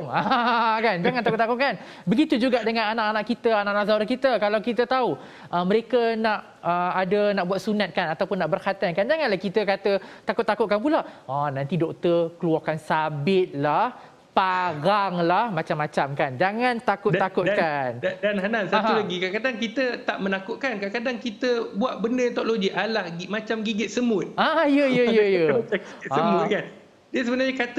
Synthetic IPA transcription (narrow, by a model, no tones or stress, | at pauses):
ŋakand͡ʒaŋant̪akʊt̪ːakʊt̪̚kan | bəɡit̪ud͡ʒuɡaʔdəŋãnanaʔanãʔkit̪əanaʔnaʔzaɾakit̪əkalawkit̪ət̪au | ʔəməɾekənaʔ | əadənaʔbuat̪̚sunat̪̚kanat̪awpʊnːaʔbərkat̪ankand͡ʒaŋanlahkit̪əkat̪ət̪akʊt̪ːakʊt̪̚kanp̬ulaʔɔnãnt̪idɔk̚t̪əkəluarkansabɪt̪̚lah | paɾaŋlahmãt͡ʃamːat͡ʃamkand͡ʒaŋãnt̪akʊt̪ːakʊt̪̚kandanɦanansaaɦulaɡikakadaŋkit̪ət̪aʔmə̃nakʊʔ̚kankakadaŋkit̪əbuaʔ̚bəndəjat̪ɔʔloɡiʔalahɡimat͡ʃamɡiɡɪt̪̚səmʊt̪̚ajəjəjəjəaisəmʊkan | diəs̬əbənaɲakat̪